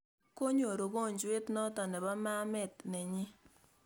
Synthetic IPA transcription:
ko˦ɲo˨ɾo˨ɣo˦˨ɲd͡ʒwe˦tnɔ˦tɔ˨nɛ˨ba˦ma˦mɛ˨tnɛ˨ɲɪ˦

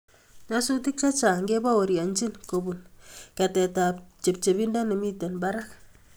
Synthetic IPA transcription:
ɲa˦su˦ti˦k̚t͡ʃa˦t͡ʃa˨ŋɡe˦ba˦wo˨ɾja˨nt͡ʃi˦nko˨bu˨nkɛ˨tɛ˨ta˨p̚t͡ʃe˨p̚t͡ʃe˨bi˦nda˦ne˨mi˦tɛ˨nba˦ɾa˦k

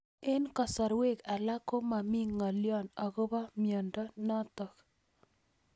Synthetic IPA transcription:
e˦nkɔ˨sɔ˨ɾwe˦˨ka˨la˦ko˦ma˨mi˦ŋːɔ˨ljɔ˦nɔ˨ɡo˦ba˦mjɔ˨ndɔ˦nɔ˦t̪ɔ˨k

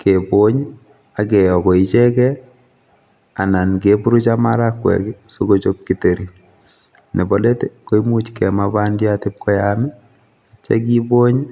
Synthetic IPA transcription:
kebo˦ɲ | a˨ke˨ɔ˨ko˨it͡ʃɛ˦kɛ˦ | a˨na˨nkepu˦ɾu˦t͡ʃa˦maɾa˦kːwɛ̰˨kso˦ko˦t͡ʃop̚kite˨ɾi˨ | ne˨bo˦le˦te˦ko˦i˦mu˦t͡ʃkɛmaba˦ndja˦tɪp̚kʰɔ˦jamɛ˦ | at͡ʃɛ̰˦k̬i˦bo˦ɲ

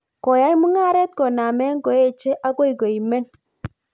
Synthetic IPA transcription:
kɔ˨ja˦jmu˦ŋa˦ɾɛ˦t̪̚kɔ˨na˨mɛ˦ŋɡɔ˨˦e˦t͡ʃe˦ʔa˦ko˦i˨kɔ˨i˨mɛ˦n

